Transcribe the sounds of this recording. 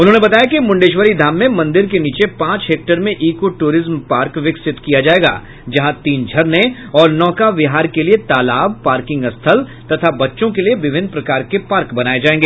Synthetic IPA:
ʊnɦõːnebɐt̪aːjakimʊ̃ɳɖeːʃʋəɾid̪ʱaːmːẽmɐ̃nd̪ɪɾkeniːt͡ʃepãːt͡ʃɦeːk̚ʈəɾmẽʔiːkoʈuːɾɪzmpaːɾkʋɪksɪt̪kijad͡ʒaːeːɡa̰ː | d͡ʒɐɦãt̪iːnd͡ʒʱɐɾnẽ | ɔːɾnɔːkaʋɪɦaːɾkeliet̪aːlaːb̚paːɾkɪ̃ŋɡɐst̪ʰəlt̪ɐt̪ʰabɐtːʃõkelieʋɪʋʱɪnpɾɐkaːɾkepaːɾkbɐnaːed͡ʒaːẽːŋɡeː

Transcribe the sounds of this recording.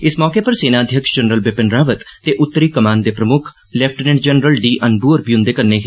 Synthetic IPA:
ɪsmɔːkeːpəɾseːnaːd̪ʱjəkʃd͡ʒənɾəlbɪpɪnɾaːʋət̪t̪ːeːʔʊt̪ːəɾiːkəmaːnd̪eːpɾəmʊkʰ | lɛp̚ʰʈəneɖ̚d͡ʒənɾəlɖiːʔənbuːəɾbijʊ̃nd̪eːkəɾneːɦ

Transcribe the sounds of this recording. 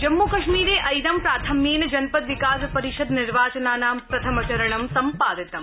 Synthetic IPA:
d͡ʒɐmːukɐʂmiːɾeːʔɐjd̪ɐmpɾaːt̪ʰɐmːiːnɐd͡ʒɐnpɐt̪ʋikaːsɐpɐɾiʃɐd̪niɾʋaːt͡ʃɐnaːnaːmpɾɐt̪ʰɐmɐt͡ʃɐɾɐɳɐmsɐmpaːd̪ɐt̪ɐm

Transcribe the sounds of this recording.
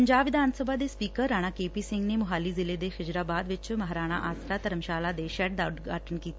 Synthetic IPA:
əɲd͡ʒaːbʋɪd̪ʱaːnsəbʱaːd̪eːspiːkəɾːaːɽ̃aːkeːpiːsɪ̃ŋɡneːmʊɦaːliːzɪleːd̪eːxɪd͡ʒɾaːbaːd̪ʋɪt͡ʃməɦɾaːɽ̃a̰ːʔaːsɾaːt̪əɾəmʃaːlaːd̪eːʃɛːʈ̚d̪aːʊt̪ɡʱaːʈənkiːt̪a

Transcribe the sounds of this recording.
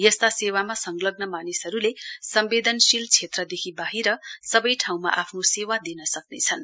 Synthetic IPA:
jʌst̪asewamasʌŋlʌɡnʌmanisɦʌɾulesʌmbed̪ʱʌnsilt͡sʰet̪rʌd̪ekʰibaɦiɾʌsʌbʌjʈʰaw̃ma̰ʔapʰnosewad̪inʌsʌknet͡sʰʌn

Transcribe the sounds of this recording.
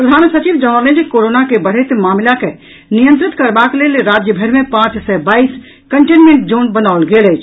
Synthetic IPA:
pɾəd̪ʱaːnsət͡ʃiʋd͡ʒə̃əlẽd͡ʒkoɾonakebəɽ̤et̪maːmlake | nijə̃nt̪ɾɪt̪kəɾbaklelɾad͡ʒjəbʱəɾmẽpãt͡ʃsɛbaːis | kəɳʈenmẽɳʈd͡ʒonbənaʊlɡeːlət͡ʃʰ

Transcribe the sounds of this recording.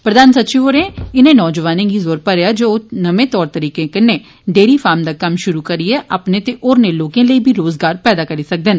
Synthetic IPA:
pɾəd̪aːnsətːʃiːʋoːɾẽːɪnẽːnɔːd͡ʒəʋaːnẽːɡiːzoːɾpəɾeaːd͡ʒoːnəmẽːt̪ɔːɾt̪əɾiːkẽːkɪnẽː | ɖeːɾiːpʰaːɾmd̪aːkəmʃʊɾuːkəɾiɛːʔaːpneːt̪eːʔoːɾneːloːkẽːləiːbʱiːɾoːzɡaːɾpɛːd̪aːkəɾiːsək̚d̪ɪn

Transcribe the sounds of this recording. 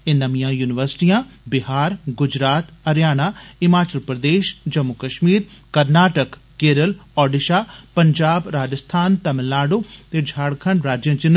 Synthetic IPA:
enɐʋijãːjuːnɪʋəɾsʈijãːbɪɦaːɾɡʊd͡ʒɾaːt̪ɐɾjaːñaːɪmaːt͡ʃəlpɾəd̪eːʃd͡ʒɐmːʊkəʃmiːɾkɐɾnaːʈəkːeːɾəlɔːɖɪʃaːpɐɲd͡ʒaːbɾaːd͡ʒəst̪ʰaːnt̪ɐməlːaːɖoːt̪ed͡ʒʱaːɽkʰəɳɖɾaːd͡ʒjə̃ːt͡ʃɪn

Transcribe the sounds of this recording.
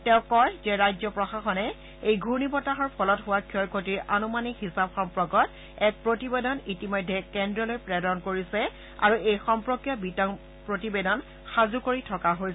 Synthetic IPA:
tɛʊ̃kɔjzɛɹajzɔpɹɔxaxɔnɛ | ejɡʱunipɔtaɦɔɹpʰɔlɔtɦʊwakʰːjɔɹkʰotiɹʔanumanikhisabxɔmpɹɔɡɔt | ɛk̚pɹotibedɔnitimɔjdʱːɛkɛndɹɔlojpɹɛdɔnkoɹisɛ | a̰ɹuejxɔmpɹɔkjɔbitɔŋ | pɹotibedɔn | xazukoɹitʰɔkaɦo

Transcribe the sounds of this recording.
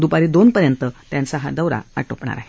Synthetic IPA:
d̪upaɾiːd̪onpəɾjənt̪ət̪jãnsaɦa̰d̪əʋɾa̰a̰ʈopɳa̰ɾa̰ɦe

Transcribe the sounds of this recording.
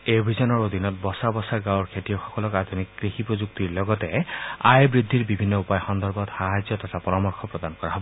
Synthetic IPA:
ejbʱizɔnɔɹod̪ʱinɔt̚bɔsabɔsaɡãwɹkʰetijɔxɔ̥kɔlɔkad̪ʱunikːɹixipɹozuk̚tiɹlɔɡɔtɛajbɹid̪ʱːiɹbibʱinːɔupajxɔnd̪ʱɔɹbɔtxaɦazjɔtɔtʰapɔɹamɔɹxʰɔpɹɔd̪ankɔɹaɦɔbɔ

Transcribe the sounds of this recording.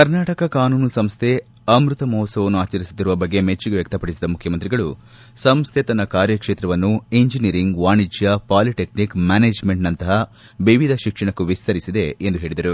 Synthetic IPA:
kɐɾnaːʈɐkɐkaːnuːnsɐmst̪ʰe̞ | ɐmɾut̪ɐmɔːsɐʋɐnːuaːt͡ʃɐɾisut̪ːiɾuʋɐbɐɡːe̞met͡ʃːiɡeʋjɐk̚t̪ɐpɐɽisid̪ɐmukʰjɐmɐnt̪ɾiɡɐɭu | sɐmst̪ʰet̪ɐnɐkaːɾjɐkʂeːt̪ɾɐʋɐnːueɲd͡ʒiniɾiŋɡʋaːɳid͡ʒjɐpaːliʈeknikmaːneːd͡ʒmeɳʈnɐnt̪ɐɦɐ | ʋiʋid̪ʱɐʃikʂɐɳɐkːuʋist̪ʰɐɾisid̪e̞ːnd̪uɦe̞ːɭid̪ɐɾu

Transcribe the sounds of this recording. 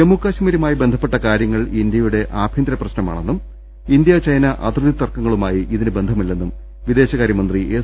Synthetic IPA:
emukːaːɕɐmiɾɐmaːjibe̞nd̪ʱɐpːe̞ʈːɐkaːɾjɐŋːɐɭind̪jɐjuɽe̞ʔaːbʱjind̪ɾɐprɐɕnɐma̰ːɳe̞nːum | ind̪jɐt͡ɕɐjnɐʔɐ̰t̪rɨðit̪ːɐrkɐŋːɐɭumaːjiʔiðinɨbe̞nd̪ʱɐmilːe̞nːum | ʋid̪e̞ːɕɐɣaːɾjɐmɐnd̪riʔe

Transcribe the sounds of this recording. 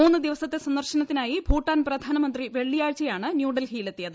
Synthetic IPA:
uːnːɨd̪iʋɐsɐt̪ːe̞sɐnd̪ɐrɕɐnɐt̪ːinaːjibʱuːʈːaːnprɐd̪ʱaːnɐmɐnd̪riʋe̞ɭːijaːɻt͡ɕːɐjaːɳɨnjuːɖɐlhiːlet̪ːijɐðɨ

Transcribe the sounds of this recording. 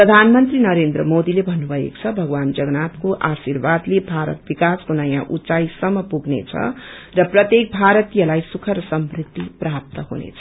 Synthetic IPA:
prʌd̪ʱanmʌnt̪rinʌɾend̪ɾʌmod̪ilebʱʌnːubʱʌḛko̥t͡sʰʌbʱʌɡwand͡zʌɡnat̪koʔasirbad̪lebʱaɾʌ̰t̪̚bikaskonʌjãʔut͡sajsʌmːʌpuɡnḛt͡sʰʌ̰rʌprʌt̪jek̚bʱaɾʌt̪ijʌlajsukʰʌɾsʌmbrit̪ːiprap̚t̪ʌɦunḛt͡sʰʌ

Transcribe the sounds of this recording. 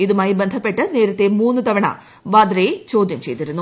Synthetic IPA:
id̪umɐːjibɐnd̪ʱɐpːeʈːɐneːɾut̪ːeːmuːnːut̪ɐʋɐɳɐ̰ | ʋaːd̪ɾɐjet͡ʃoːd̪jɐmt͡ʃḛjt̪iɾunːu

